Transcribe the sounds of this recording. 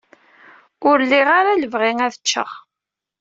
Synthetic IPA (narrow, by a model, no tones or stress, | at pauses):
ʊɾlːiʁaɾaləvʁiŋæθət͡ʃːə̰ʁ